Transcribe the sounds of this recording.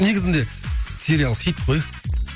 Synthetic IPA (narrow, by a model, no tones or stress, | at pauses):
ne̞ɡʲɪzɪnd̪e̞ | sʲe̞ɾʲialˠχit̪̚qʰoj